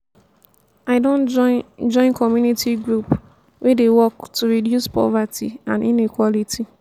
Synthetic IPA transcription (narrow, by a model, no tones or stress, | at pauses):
aɪdõnd͡ʒɔ̃ɪ̃nkʰɔmjunitiɡɾup | wʔɛdewɔktuɹidjuspɔ̰vatʰḭã̰ninikwɔlitʰi